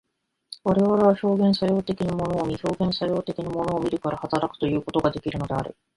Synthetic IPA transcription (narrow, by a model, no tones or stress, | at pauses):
βaɾe̞β̞aɾe̞β̞aço̞ːɡẽɰ̃sajo̞ːt̪e̞kʲiɲ̟imo̞no̞ːmʲiço̞ːɡẽ̞ɰ̃sajo̞ːt̪e̞kʲiɲ̟imo̞no̞ːmʲiɾɯ̟kaɾahat̪aɾakɯ̟̥t̪o̞jɯ̟ːko̞t̪o̞ɡad̪e̞kʲiɾɯ̟no̞d̪e̞a̰ɾɯ̰